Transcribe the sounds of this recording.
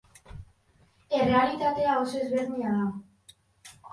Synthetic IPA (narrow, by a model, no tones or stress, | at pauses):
e̞re̞alit̪at̪e̞aosezβe̞ɾnɲiaða